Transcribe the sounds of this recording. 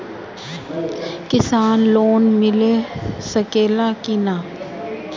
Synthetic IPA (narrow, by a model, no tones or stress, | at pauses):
kɪsaːnloːnmɪlesəkeːlakinaː